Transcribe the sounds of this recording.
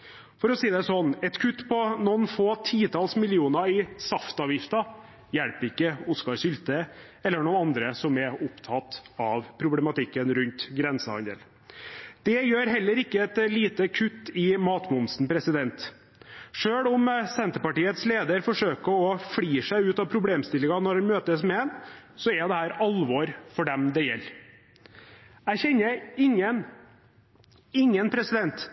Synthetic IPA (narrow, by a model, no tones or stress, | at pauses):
fɔɾɔsiːd̪ɛæsɔnːɛt̪kʰʉt̪ːpʰɔnɔnfoːt̪ʰiːt̪ʰɑːlsmɪlɪuːnɑɪsɑft̪ɑːʋjɪft̪ɑ | jælpɪkːəʊskɑɾʂʏlt̪ə | ɛlːəɳunɑnd̪ɾəsɔmɛʊpt̪ʰɑt̪ɑʋpʰɾʊblɛmɑt̪ɪkːənɾʉnt̪ɡɾɛnsəhɑ̰nd̪ə̰l | d̪̥ɛjøːɾɦɛlːəɾɪkːəɛt̪liːt̪əkʰʉt̪ːɪmɑːt̪mʊmsnpʰɾɛsɪd̪ɛnt̪ | ʂøːɽʊmsɛnt̪əɾpɑʈiːət̪sleːd̪əɾfɔʂøːkəɔfɽiːʂæɪʉːt̪ɑʋpʰɾʊbleːmst̪ɪlːɪŋɑnɔɾhɛnmøːt̪əsmɛɛn | sɔɛɾd̪ɛhæːɾɑlʋɔɾfɔɖɛmd̪ɛjɛ̰lː | æçɛnːəɪŋən | ɪŋːənpʰɾɛsɪd̪ɛnt̪